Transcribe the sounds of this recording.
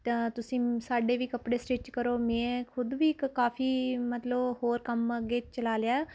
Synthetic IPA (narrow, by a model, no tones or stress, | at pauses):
t̪ʊsĩːsaːɖeːʋiːkəpɽeːsʈeːt͡ʃkəɾoːmɛ̃ːkʰʊd̪ʋiːkkaːpʰiːmət̪ləbhoːɾkəməɡeːt͡ʃəlaːleaːɛː